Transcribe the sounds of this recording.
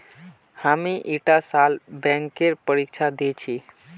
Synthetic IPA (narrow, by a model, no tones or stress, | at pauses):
hamiʔiʈasalbɛ̃ŋkeɾpəɾikt͡ʃʰad̪et͡ʃʰi